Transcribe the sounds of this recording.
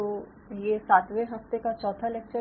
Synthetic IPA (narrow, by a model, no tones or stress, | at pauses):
o | jesaːt̪ʋeɦɐft̪ekat͡ʃɔːt̪ʰalek̚t͡ʃə